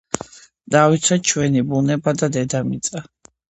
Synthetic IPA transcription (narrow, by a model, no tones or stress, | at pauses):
d̪avit̪sʰwɛt͡ʃʰwɛnibunɛbad̪ad̪ɛd̪amit̪sʼa